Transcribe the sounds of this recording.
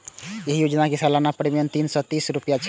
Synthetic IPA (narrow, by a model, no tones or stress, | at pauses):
jeɦijod͡ʒnakesalanapɾimjənt̪insɔ̃t̪isɾupjat͡ʃʰ